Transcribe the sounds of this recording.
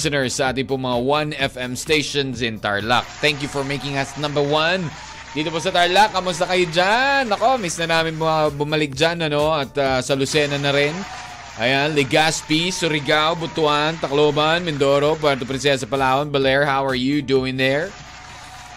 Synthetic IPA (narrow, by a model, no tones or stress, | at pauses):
sɔnɛɹsːɐʔaːt̪ɪŋpʊŋmɐŋawɐnɛfɛmst̪ejʃonsɪ̃nt̪a̰ɹla̰k̚t̪ɛ̃ŋk̬jufɔɹmejkɪŋɐsnɐ̃mbɛɹwɐn | d̥̪iːt̪oposɐt̪aɹlɐkːɐmʊst̪ɐkɐjod͡ʒanɐko̞misnɐnaːmɪnpobʊmɐlɪk̚d͡ʒanɐno̞ɐt̪asɐlʊsɛnɐnɐɾɪn | ʔɐjanlɪɡaspisʊɾɪɡawbʊt̪ʊant̪ɐkloːbɐnmɛnd̪oːɾop̬wɛɾt̪opɾɪnsɛs̬ɐpɐlaːwɐnbɐlɛɹhawɐɹjud̪uːɪ̃ŋðɛɹ